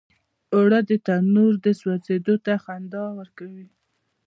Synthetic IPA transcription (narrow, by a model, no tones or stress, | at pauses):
oɽad̪ət̪anuɾd̪əswat͡sed̪ot̪axand̪ɑwəɾkawi